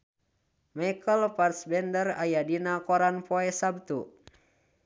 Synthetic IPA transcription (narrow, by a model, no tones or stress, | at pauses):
majkəlparsbɛndərajadinakɔɾanpoɛsab̚t̪u